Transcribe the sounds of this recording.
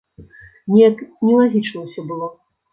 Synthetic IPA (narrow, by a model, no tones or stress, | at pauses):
nʲɛjɐknʲɛlˠaɣʲit͡ʂnɐwsʲɔbɨlˠɔ